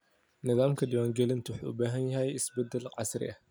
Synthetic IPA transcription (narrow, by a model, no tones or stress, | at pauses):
nɪðaːmkʰɐd̪ɪwaːŋɡɛlɪnt̪ʰʊwʊħṵːʊ̰baːɦɐnjɐɦɛjɪsbɛd̪ːɛlqɑsɾɪ̰ʔɐh